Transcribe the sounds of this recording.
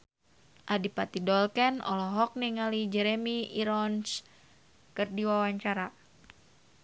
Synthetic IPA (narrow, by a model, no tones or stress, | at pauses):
ʔadipat̪idɔlkɛnɔ̰lɔɦɔk̚niŋalid͡ʒɛɾemiiɾɔns | kɨrdiwawaɲt͡ʃaɾa